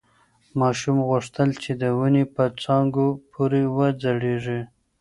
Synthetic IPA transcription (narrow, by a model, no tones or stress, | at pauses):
mɑʃumɣʊʂt̪əlt͡ʃed̪əwunepət͡sɑŋɡopʰuɾewəd͡zaɽeʐi